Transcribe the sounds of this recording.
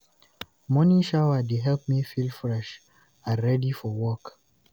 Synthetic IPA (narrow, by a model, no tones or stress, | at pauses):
mɔniʃawadeɦɛlp̚mifilfɹɛʃ | aɹɛdifɔwɔk